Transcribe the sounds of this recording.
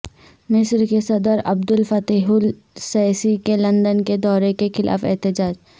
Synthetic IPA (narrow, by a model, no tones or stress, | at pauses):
mɪsɾkesɐd̪əɾɐb̚d̪ʊlfɐt̪iːɦʊl | sɛːsikelɐ̃nd̪ənked̪ɔːɾekexɪlʔa̰ːfɛ̰ɦt̪ɪd͡ʒaːd͡ʒ